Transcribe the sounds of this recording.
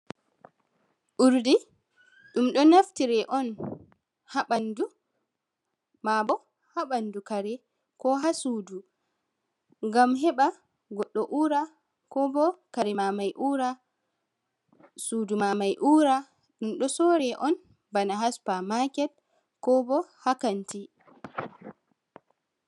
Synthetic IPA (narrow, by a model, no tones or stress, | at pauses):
ʔuɾdi | ɗumɗɔnaftiɾɛʔɔn | haɓandu | mabɔ | habandukaɾɛ | kɔɦasuːdu | ŋɡamɦɛɓa | ɡɔɗːɔʔuːɾa | kɔbɔkaɾɛmamajʔuːɾa | sudumamajʔuːɾa | ɗumɗɔsɔɾɛʔɔn | banaɦaspamakɛt | kɔbɔhakanti